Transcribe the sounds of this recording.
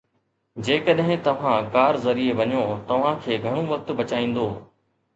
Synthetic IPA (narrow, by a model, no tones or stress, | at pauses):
d͡ʑeːkəɗɦɪ̃t̪ɐʋ̤ãːkaːɾzɐɾieʋɐɲoːt̪ɐʋ̤ãkʰeːɡʱɐɽ̃oʋɐk̚t̪bɐt͡ɕaːĩːn̆d̪oː